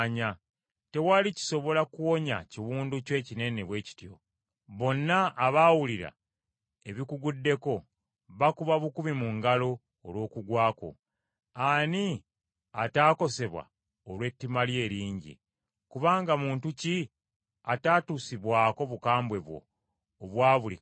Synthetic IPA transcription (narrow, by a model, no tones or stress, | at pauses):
ɲa | te̞walici̥so̞βo̞lakuwo̞ɲa̰ciwuːnducwe̞ːcine̞ne̞βwe̞ːci̥tjo̞̰ | βo̞nːaːβaːwuliɾa̰ | e̞βikuɡudːe̞ko̞ | βakuβaβukuβimuŋɡalo̞ː | lwo̞ːkuɡwaːko̞̰ | ani | ataːko̞se̞βwa̰ | olwe̞tːimalje̞ːɾiːɲɟḭ | kuβaːŋɡamuːntuci | ataːtusiβwaːko̞βukaːmbwe̞βwo̞̰ː | βwaːβulḭ